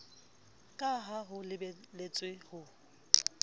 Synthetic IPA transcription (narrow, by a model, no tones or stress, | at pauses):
kʼaɦaɦʊlɪblet͡sʼwehʊ